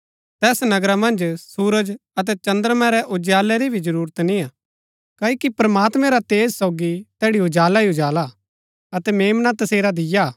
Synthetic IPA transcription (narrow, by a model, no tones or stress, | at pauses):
t̪ɛːsnɐɡɾamɐ̃nd͡ʒsuːɾəd͡ʒɐt̪̬ɛt͡ʃɐ̃nd̪əɾmɛ̃ɾɛʔʊd͡ʒjaːlɛɾibʱid͡ʒɐɾuːɾət̪nĩaː | kaːikipɐɾɐmaːt̪mɛ̃ɾat̪eːzsɔʊɡit̪ɛːɽiʊd͡ʒaːlaiʊd͡ʒaːla | ɐt̪ɛmeːmnat̪ɐseːɾad̪ɪja